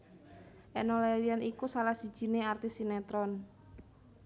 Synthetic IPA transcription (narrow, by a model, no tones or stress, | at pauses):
ʔɛnolɛlianikusalahsi̥ʒ̥i̤neart̪isinɛt̪ɾɔn